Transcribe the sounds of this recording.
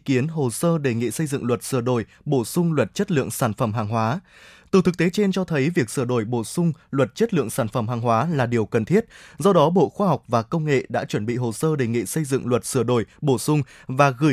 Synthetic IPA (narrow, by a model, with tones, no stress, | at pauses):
ki˨˦ənɦo˨˩səː˧ɗe˧˩ŋḭ˧˨sə˧jzɨ̰˧˨ŋlwə˨˩t̚sɨ˧˩əɗo˧˩j | ɓo˧˩sʊ˧ŋ͡mlwə˨˩t̚t͡ɕə˦˥t̚lɨ̰˧˨əŋsaː˧˩nfə˧˩mɦaː˨˩ŋɦwaː˨˦ | t̪ɨ˨˩t̪ʰɨ˨˩k̚t̪e˨˦t͡ɕe˧nt͡ɕɔ˧t̪ʰə˨˦jvi˨˩ək̚sɨ˧˩əɗo˧˩jɓo˧˩sʊ˧ŋ͡mlwə˨˩t̚t͡ɕə˦˥t̚lɨ̰˧˨əŋsaː˧˩nfə˧˩mɦaː˨˩ŋɦwaː˨˦laː˨˩ɗi˨˩əwkə˨˩nt̪ʰi˦˥ət̚zɔ˧ɗɔ˨˦ɓo̰˧˨xwaː˧ɦa˨˩wk͡p̚vaː˨˩kə˧wŋ͡mŋḛ˧˨ɗa̰ː˧˥t͡ɕwə˧˩nɓḭ˧˨ɦo˨˩səː˧ɗe˨˩ŋḭ˧˨sə˧jzɨ̰˧˨ŋlwə˨˩t̚sɨ˧˩əɗo˧˩jɓo˧˩sʊ˧ŋ͡m | vaː˨˩ɣɨ˧˩